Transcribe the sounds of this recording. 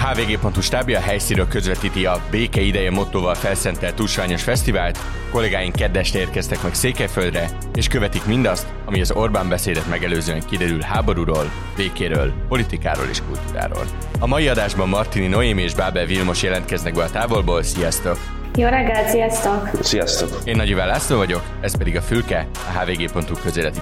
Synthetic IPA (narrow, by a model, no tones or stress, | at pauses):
haːveːɡeːpo̞nt̪huʃt̪aːbiɒɦɛjsinɾøːlkøzvɛt̪iːt̪iɒbeːkɛid̪ɛjɛmo̞t̪ːoːvɒlfɛlsɛnt̪ɛlt̪uʃʋaːɲo̞ʃfɛst̪ivaːlt̪ | ko̞lɛɡaːjiŋkɛd̪ːɛʃrɛeːrkɛst̪ɛkmɛkseːkɛjføld̪rɛ | eːʃkøvɛt̪ikmind̪ɒst̪ | ɒmiɒzo̞rbambɛseːd̪ɛt̪mɛɡɛløːzøːɛŋkid̪ɛɾylhaːbo̞ɾuɾoːl | veːkeːɾøːlpo̞lit̪ika̰ːɾo̰lḛːʃkult̪uːɾa̰ːɾo̰ːl | ɒmɒjiɒd̪aːʒbɒmːɒrt̪inino̞eːmieːʒbaːbɛlvilmo̞ʃjɛlɛnt̪kɛznɛɡ̚bɛlɒt̪aːvo̞lboːlsijɒst̪o̞k | joːɾɛɡːɛlsijɒst̪oksijɒst̪okeːnːɒɟivaːlːaːst̪oːvɒɟo̞k | ɛspɛd̪iɡɒfylkɛ | ɒɦaːveːɡeːpo̞nt̪ukøzeːlɛt̪i